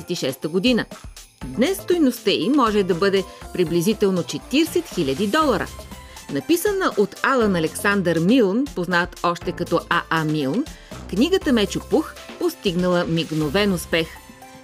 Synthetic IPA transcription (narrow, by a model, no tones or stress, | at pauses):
ɛt̪iʃɛst̪əɡod̪inə | d̪nɛst̪ojnost̪əimɔʒɛd̪ɐbɤd̪ɛpɾiblizit̪ɛlˠnot͡ʃɛt̪iɾsɛt̪xilʲəd̪id̪ɔlˠɐɾə̰ | nɐpisənəʔot̪alˠənɐlɛksand̪əɾmilˠnpoznat̪ɔʃt̪ɛkɐt̪ɔʔaʔamilˠnkniɡət̪əmɛt͡ʃopuxpost̪iɡnəlˠəmiɡnovɛnʊspɛx